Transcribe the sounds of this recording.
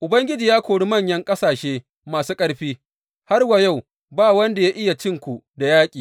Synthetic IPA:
ʔʊ˨bɐ˦ŋɡʲɪ˦d͡ʒiː˨jaː˦kʷoː˨ɽi˦mɐ˦˨ɲjɐ˦ŋkʼɐ˦saː˨ʃeː˦ | maː˨suː˦kʼɐ˦ɽɸiː˦ | ha˦rwa˨ja˦˨w | baː˦˨wɐ˦nda˨ja˦ʔɪ˦ja˨t͡ʃɪ˦ŋkʷu˨da˨jaː˦kʲʼiː˨

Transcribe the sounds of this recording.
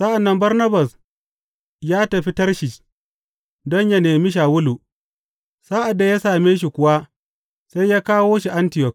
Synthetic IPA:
sɐ˦ʔa˨nːɐ˦mbɐ˦rnɐ˦ba˨s | jaː˦tɐ˨ɸi˦tɐ˦rʃɪ˨t͡ʃ | dɔ˦ɲjɐ˦neː˨mi˦ʃ̬aː˨wʊ˦lu˨ | sa˦ʔa˨dːa˨ja˦saː˨meː˦ʃ̬i˨kʷʊ˨wa˦ | sa˦jjaː˦kaː˦woː˦ʃi˨ʔa˦ntɪ˨jɔ˨k̚

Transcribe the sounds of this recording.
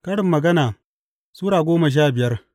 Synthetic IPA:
kɐ˦ɽɪ˨mːɐ˨ɡɐ˦naː˨ | suː˦ɽaː˨ɡʷoː˦mɐ˨ʃ̬aː˦bɪ˨jɐ˦r

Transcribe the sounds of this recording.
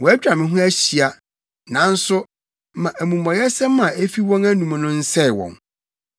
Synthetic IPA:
wɔ˨æ˦t͡ɕᶣɾa˨mɪ̃˨ɦʊ̃˦æ˦ɕi˨a˨ | nã˨˦n̩˦sʊ˦ | mã˨ʔæ˨mũ˨mɔ̃˨jɛ˦sɛ̃˦mã˨e˦fi˦wɔ̃˦ŋæ˦nũ˨mã˨nʊ̃˦n̩˦sɛ˦˨wɔ̰̃˨n

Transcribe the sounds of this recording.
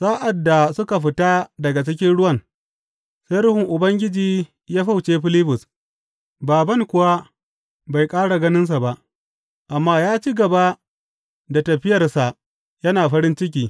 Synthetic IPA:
saː˦ʔa˨dːa˨sʊ˦ka˨ɸɪ˨taː˦dɐ˨ɡa˨t͡ʃɪ˦kʲɪ˦nɽʊ˦wɐ˦˨ŋ | sa˦jɾʊ˦hɪ˨ŋʔʊ˨bɐ˦ŋɡʲɪ˦d͡ʒiː˦ | jaː˦ɸa˦wt͡ʃeː˦ɸɪ˦lɪ˦bʊ˨s | baː˨bɐ˦ŋkʷʊ˨wa˦ | ba˨jkʼaː˦ɽa˨ɡɐ˦nɪ˦ns̬a˨ba˦ʔ | ʔa˨mːaː˦jaː˦t͡ʃi˦ɡɐ˨ba˦ | da˨tɐ˨ɸɪ˦jɐ˨rsa˨ʔ | jɐ˦naː˨ɸɐ˦ɾɪ˦nt͡ʃɪ˦k̬ʲiː˨

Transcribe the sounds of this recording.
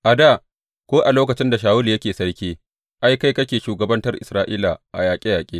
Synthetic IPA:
ʔa˨da˦˨ | kʷoː˦ʔa˨loː˦kɐ˨t͡ʃɪ˦nda˨ʃ̬aː˨wʊ˦li˨jɐ˦kʲeː˨sɐ˦rkʲeː˦ | ʔa˦jka˦jkɐ˦kʲeː˨ʃuː˨ɡɐ˨bɐ˦ntɐ˦rʔɪ˨sɾaː˦ʔiː˦la˨ʔa̰˨jaː˨kʲʼe˦jaː˨kʲʼeː˦

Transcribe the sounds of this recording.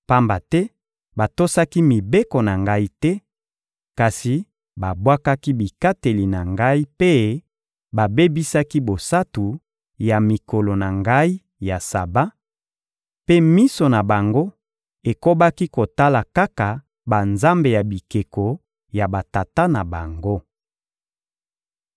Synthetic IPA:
pa˦mba˨tɛ˦ | ba˨to˦sa˦ki˦mi˨be˦ko˨na˨ŋɡa˦i˦tɛ˦ | ka˨si˨ | ba˨bwa˦ka˦ki˦bi˨ka˦te˨li˨na˨ŋɡa˦i˦pe˦ | ba˨be˦bi˦sa˦ki˦bo˨sa˦tu˨ | ja˨mi˨ko˨lo˨na˨ŋɡa˦i˦ | ja˨sa˨ba˦ | pe˦mi˦so˨na˨ba˨ŋɡo˦ | e˨ko˦ba˦ki˦ko˨ta˦la˨ka˦ka˨ | ba˨nza˦mbe˨ja˨bi˨ke˨ko˨ | ja˨ba˨ta˨ta˦na˨ba˨ŋɡo˦

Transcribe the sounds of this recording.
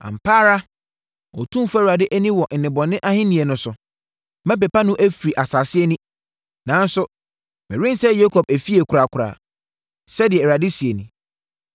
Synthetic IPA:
ã̰˨m̩˨pʰaː˦ɾa˦ | ɔ̰˨tʰũ˦fa˦˨ɾa˨dɪ˦ʔæ˦nĩ˦wɔ˨n̩˨nɪ̃˨bɔ˨nɪ̃˦ʔa˦hɪ̃˦nĩ˨ɛ˨nʊ̃˨sʊ˨ | mã˦p̬ɛ˨pa˦nʊ̃˦ʔæ˦fi˨ɾi˨ʔa˨sa˨sɪ˦ɛ˦nĩ˦ | nã˨˦n̩˦sʊ˦ | mɪ̰̃˨ɾɪ̃˦n˦sɛ˦jo˦kʰɔ˨b̚æ˨fi˦e˨kʰʊ˨ɾa˨kʷʰʊ˨ɾa̰ː˨ | sɛ˦dɪ˨ɛ˨a˨dɪ˦si˨e˨nĩ˨

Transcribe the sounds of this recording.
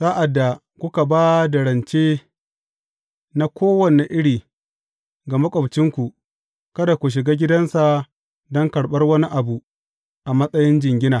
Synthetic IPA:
saː˦ʔa˨dːa˨ | kʷʊ˦ka˨baː˦da˨ɽɐ˨nt͡ʃeː˦ | na˦kʷʰoː˦wɐ˨ne˨ʔɪ˦ɽiː˨ | ɡɐ˨ma˦kʷʼɐ˨bt͡ʃɪ˦ŋkʷu˨ | kɐ˦da˨kʷu˨ʃ̬ɪ˨ɡaː˦ɡʲɪ˦dɐ˦nsa˨ | dɔ˦ŋkɐ˨ɽɓɐ˦rwɐ˦ni˦ʔa˨bu˨ | ʔa˨mɐ˦sʼɐ˦jɪ˦nd͡ʒɪ˨ŋɡʲɪ˦naː˨

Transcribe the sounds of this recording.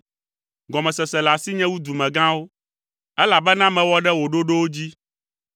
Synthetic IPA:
ɡɔ˨mɛ̃˨sɛ˨sɛ˨la˨si˦ɲɛ̃˦wu˦d̪u˨mɛ̃˨ɡã˦wo˦ | ɛ˦la˨bɛ˦nã˦mɛ̃˨wɔ˦ɖɛ˦wo˨ɖo˦ɖo˦wo˦d͡ʑi˦

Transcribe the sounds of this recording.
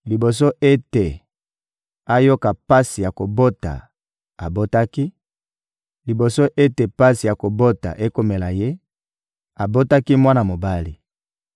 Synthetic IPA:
li˨bo˨s̬o˦ʔe˦te˨ | a˦jo˦ka˨pa˦si˨ja˨ko˨bo˦ta̰˨ | a˨bo˦ta˦ki˦ | li˨bo˨so˦ʔe˦te˨pa˦si˨ja˨ko˨bo˦ta̰˨ʔe˦ko˦me˨la˨je˦ | a˨bo˦ta˦ki˦mwa˦na˨mo˨ba˦li˨

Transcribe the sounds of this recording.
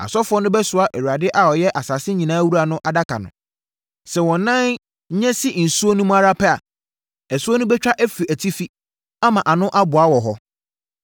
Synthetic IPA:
a̰˨sɔ˦fʊ˦ɔ˦nʊ̃˦bɛ˦sʊ˨a˨ʔɛ˨wu˨a˨dɪ˦ʔa˦ɔ˨jɛ˦ʔa˨saː˨sɪ˦ɲĩ˨nãː˦wu˦ɾa˨nʊ̃˦ʔa˨da˦kʰa̰˨nʊ̰̃˨ | sɛ˨wɔ̃˨nːã˦n | ɲ̩˦ɲɛ̃˦sɪ˦n̩˨su˦o˦nũ˦m̃˦a˦ɾa˦pʰɛ˦a˨ | ɛ˨sʊ˦o˦nʊ̃˦bɛ˦t͡ɕᶣa˦ʔæ˦fi˨æ˨tʰi˦fi˦ | a˦mã˨ʔa˨nʊ̃˦ʔa˦bʊ˨a˦wɔ˨ɦɔ˦

